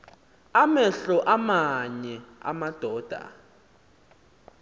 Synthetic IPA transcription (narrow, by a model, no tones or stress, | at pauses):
amɛɬɔʔamaɲɛa̰mad̥ʱɔːd̥ʱa̰